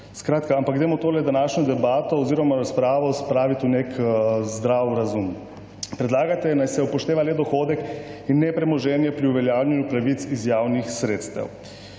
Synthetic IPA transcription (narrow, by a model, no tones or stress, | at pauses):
skɾaːt̪kaampakɡd̪eːmɔt̪oːlɛd̪anaːʃɲɔd̪ɛbaːt̪ɔːziːɾɔmaɾaspɾaːʋɔspɾaːʋit̪ʲunekzd̪ɾawɾazum | pɾɛd̪laːɡat̪ɛnajsɛpɔʃt̪eːʋaleːd̪ɔxoːd̪ɛkinːɛpɾɛmɔʒɛːnjɛpɾiuʋɛljaːwlʎʲɛnjupɾaʋit̪sizjaːwnixsɾeːt̪st̪ɐ̰w